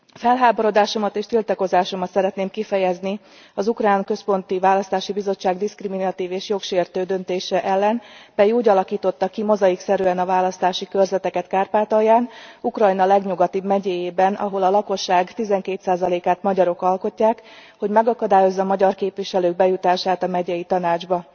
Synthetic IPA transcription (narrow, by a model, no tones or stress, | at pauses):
fɛlɦaːboɾo̞d̪aːʃo̞mɒt̪eːʃt̪ilt̪ɒko̞zaːʃo̞mɒt̪sɛɾɛt̪neːmkifɛjɛzni | ɒzukraːnkø̞spo̞nt̪ivaːlɒst̪aːʃibizo̞t͡ʃːaːɡd̪iskriminɒt̪iːveːʃjo̞kʃeːrt̪øːd̪ø̞nt̪eːʃɛʔɛlːɛnpɛjiuːɟɒlɒkiːt̪o̞t̪ːɒkimozɒjiksɛɾyɛnɒvaːlɒst̪aːʃikø̞rzɛt̪ɛkɛt̪kaːrpaːt̪ɒjaːnukrɒjnɒlɛɡɲuɡɒt̪iːbmɛɟeːjeːbɛnɒ̰ɦo̞lɒlɒko̞ʃːaːɡt̪izɛŋkeːt̪saːzɒleːkaːt̪mɒɟɒɾo̞kɒlko̞cːaːkho̞ɟmɛɡɒkɒd̪aːjo̞zːɒːmɒɟɒrkeːpʋiʃɛløːɡ̚bɛjut̪aːʃaːt̪ɒmɛɟɛjit̪ɒnaːd͡ʒbɒ